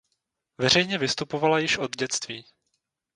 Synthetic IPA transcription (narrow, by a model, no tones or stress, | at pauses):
vɛr̝ɛjɲɛvɪst̪upo̞valajɪʃʔo̞d̪ɟɛt͡st̪viː